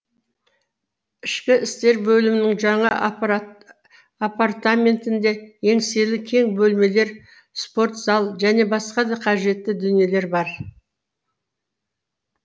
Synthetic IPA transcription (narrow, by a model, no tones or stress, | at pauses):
ɪʃkʲɪɪst̪e̞ɾbɵlɪmɪnɪŋʒɑɴɑ | apart̪amʲe̞nt̪ɪnd̪e̞je̞ŋse̞lɪkʲʰe̞ŋbɵlme̞le̞ɾ | spo̞ɾt̪z̥ɑlˠʒæne̞bɑsqɑd̪ɑqʰɑʒe̞t̪ːɪd̪ʏnije̞le̞ɾbɑɾ